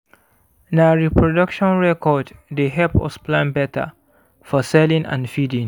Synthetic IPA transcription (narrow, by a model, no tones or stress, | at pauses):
naɹipʰɹɔdʌkʃɔ̃nɹɛkɔddeɦɛpɔ̰splãnbɛtʰa̰ | fɔsɛlĩŋã̰nfidĩŋ